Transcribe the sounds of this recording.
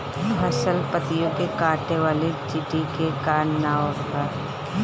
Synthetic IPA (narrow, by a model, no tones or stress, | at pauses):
ɦɐsəlpət̪ijõkekaːʈeʋaːlet͡ʃɪʈikekaːnːaːõpɐɾ